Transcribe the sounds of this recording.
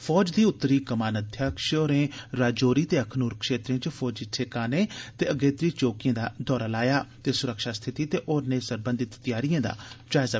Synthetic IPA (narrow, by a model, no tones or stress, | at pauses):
fʰɔːd͡ʒd̪iːʊt̪ːəɾiːkəmaːnəd̪ʱjaːkʃoːɾẽːɾaːd͡ʒoːɾiːt̪eːəkʰnuːɾkʃeːt̪ɾẽːt͡ʃpʰɔːd͡ʒɪtʰeːkaːneːt̪eːəɡeːt̪ɾiːt͡ʃoːkɪjãːd̪aːd̪ɔːɾaːlaːjaːt̪eːsʊɾəkʃaːst̪ʰɪt̪iːt̪eːʔoːɾneːsəɾbə̃nd̪ɪt̪ːɪjaːɾijãːd̪a̰ːd͡ʒaːɪzaː